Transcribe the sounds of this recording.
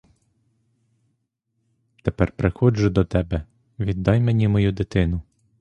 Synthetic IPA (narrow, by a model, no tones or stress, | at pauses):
t̪epɛrpɾexɔd͡ʒʊd̪ɔt̪ɛbɛ | ʋʲid̪ːɑjmenʲimɔjud̪ɪt̪ɪnʊ